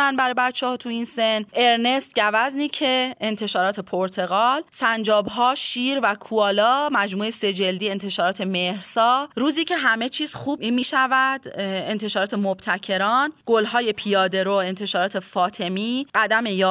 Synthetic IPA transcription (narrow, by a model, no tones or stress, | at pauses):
ænbæɾɒːjebæt̪t͡ʃʰːɛhɒːt̪ʰuiːnsene̞ɾne̞st̪̚ɟævæzniːcʰeent̪ʰe̞ʃɒːɾɒːt̪ʰe̞pʰoɾt̪ʰe̞ɣɒːlsænd͡ʒɒːbɦɒːʃiːɾvækʰuɒːlɒːmæd͡ʒmuːese̞d͡ʒe̞ld̪iːe̞nt̪ʰe̞ʃɒːɾɒːt̪ʰe̞mehɾsɒːɾuːziːcʰe̞ɦæme̞t͡ʃʰiːz̥xuːbinmiːʃævæd̪ent̪ʰe̞ʃɒːɾɒːt̪ʰemob̥t̪ʰæcʰe̞ɾɒːnɡ̥olɦɒːje̞pʰijɒːd̪e̞ɾoent̪ʰe̞ʃɒːɾɒːt̪ʰe̞fɒːt̪ʰe̞miːɢæd̪æme̞jɒː